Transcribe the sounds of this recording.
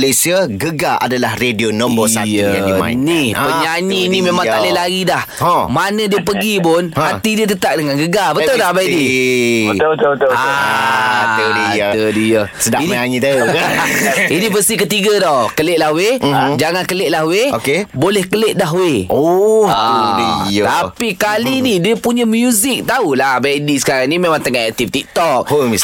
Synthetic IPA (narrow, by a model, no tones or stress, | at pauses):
lesiaɡəɡaʔa̰dalahredionɔmbosaa̰nihəɲaɲĩːnĩmemãŋalehlaɾidah | ãmanədiəp̬əɡipʊnhat̪idiət̪ət̪aʔ̚dəŋanɡəɡabət̪ʊdahbajdi | t̪t̪a | ədit̪ədijə | sədainiɲaŋit̪a | inivəsikət̪iɡadɔhkəleʔ̪̚lahwed͡ʒaŋankəleʔ̪̚lahweokebolɛhkəleʔ̪̚daɦweʔɔt̪dit̪apikalinidiəpuɲamjuzik̚t̪aulahbajdisə̥kaɾaŋnimemaŋt̪əŋaʔɛk̚t̪ift̪ik̚t̪ɔk̚omis